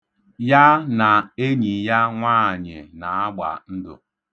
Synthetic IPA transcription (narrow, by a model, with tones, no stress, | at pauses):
ja˦na˨e˦ɲi˨ja˦ŋʷaː˦˨ɲɪ˨na˨a˦ɡ͡ba̰˨n̩˦dʊ̰˨